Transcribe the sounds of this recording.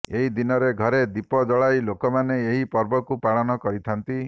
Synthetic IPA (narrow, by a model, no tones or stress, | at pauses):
eɦid̪inɔɾeɡʱɔɾed̪ipɔd͡ʒ̪ɔɭajlokɔmaneeɦipɔɾbɔkupaɭɔnɔkɔɾit̪ʰant̪i